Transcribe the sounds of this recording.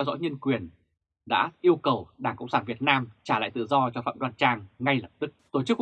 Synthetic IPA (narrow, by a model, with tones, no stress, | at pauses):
ɛ˧wzɔ̰˧˥ɲə˧nkwi˨˩ən | ɗa̰ː˧˥ʔi˧əwkə˨˩wɗaː˧˩ŋkə̰˧˨wŋ͡msaː˧˩vi˨˩ət̚naː˧mt͡ɕaː˧˩la̰ː˧˨jt̪ɨ̰˧˨zɔ˧t͡ɕɔ˧fa̰ː˧˨mɗwaː˧nt͡ɕaː˧ŋːŋa˧jlə˨˩p̚t̪ɨ˦˥k̚t̪o˧˩t͡ɕɨ˦˥k̚